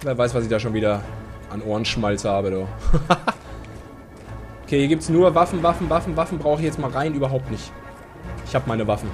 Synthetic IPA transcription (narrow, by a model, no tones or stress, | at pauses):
veːɐvaɪsv̥asɪçd̥aːʃ̬oːnviːdɐʔanʔoːɐnʃmalt͡shaːbədoː | ʔokʰeːiːɐɡiːptsnuːɐvafn̩vafn̩vafn̩vafn̩bʁaʊxəɪçjɛt͡stmaːlʁaɪnyːbɐɦaʊp̚tnɪçt | ʔɪçhaːbəmaɪnəvafn̩